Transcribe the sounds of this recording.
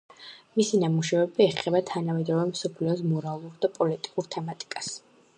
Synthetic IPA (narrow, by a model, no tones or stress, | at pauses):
misinamuʃavɛbiɛχɛbat̪ʰanamɛd̪ɔvɛmsɔpʰlɛɔsmɔɾalˠuɾd̪apʼɔlit̪ʼi̥kʼuɾt̪ʰɛmat̪ʼi̥kʼas